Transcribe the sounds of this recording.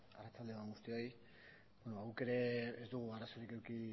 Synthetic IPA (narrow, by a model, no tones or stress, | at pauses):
arat͡sald̪eoaŋɡust̪io̞j | bonoβaɣuke̞ɾe̞ezd̪uɣ̞uaraso̞ɾikewki